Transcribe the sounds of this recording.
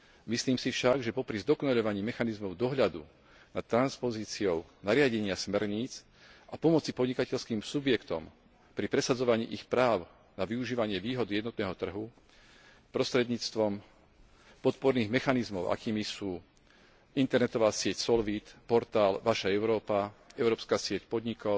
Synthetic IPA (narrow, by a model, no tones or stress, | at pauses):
misliːmsifʃaɡʒɛpɔpɾizd̪ɔkɔnaʎɔʋaɲiːmɛxanizmɔʊd̪ɔɦʎad̪ṵ | nat̪ːɾanspɔziːt͡siɔʊ | naɾɪaɟɛɲɪasmɛɾɲiːt͡s | ʔapɔmɔt͡sipɔd̪ɲikacɛʎskiːmsubjɛkt̪ɔ̰m | pɾipɾɛsad͡zɔʋaɲḭːʔixpɾaːʊ | naʋiuʒiːʋaɲɪɛʋiːɦɔd̪ijɛd̪nɔt̪nɛːɦɔt̪r̩ɦu | pɾɔst̪ɾɛd̪ɲiːt͡st̪ʋɔm | pɔt̪pɔɾniːɣmɛxanizmɔʊʔa̰kiːmisuː | int̪ɛɾnɛt̪ɔʋaːsɪɛcsɔlʋit̪pɔɾt̪aːlʋaʃaɛʊɾɔːpaɛʊɾɔːpskaːsɪɛcpɔd̪ɲikɔʊ